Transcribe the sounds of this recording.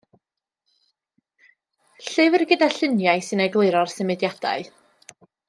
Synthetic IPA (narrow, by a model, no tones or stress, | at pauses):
ɬɨvərɡədaɬɪnjajsɨnajɡlˠɪɨɾɔrsəmɨdjad̥a̰ɨ